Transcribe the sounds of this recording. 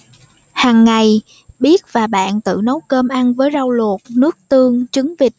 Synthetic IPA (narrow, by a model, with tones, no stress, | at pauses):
haː˨˩ŋːa˨˩j | ɓi˦˥ət̚vaː˨˩ɓa̰ː˧˨nt̪ɨ̰˧˨nə˨˦wkəː˧mʔa˧nvəː˨˦jza˧wlu˨˩t̚nɨ˦˥ək̚t̪ɨ˧əŋt͡ɕɨ˨˦ŋvï˨˩k̚